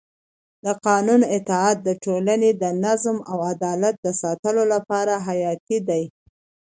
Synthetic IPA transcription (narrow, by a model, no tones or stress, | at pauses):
d̪əqɑnunɪt̪ɪɑt̪̚d̪əʈolaned̪ənazmawad̪ɑlat̪̚d̪əsɑt̪əlolapɑɾaɦajɑt̪id̪aj